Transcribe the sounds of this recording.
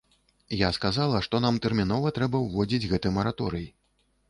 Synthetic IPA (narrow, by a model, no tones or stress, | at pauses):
jaskazalˠɐʂt̪ɔn̪amt̪ɛrmʲin̪ɔvɐt̪ɾɛbɐwvɔd͡zʲid͡zʲɣɛt̪ɨjmɐɾat̪ɔɾɨji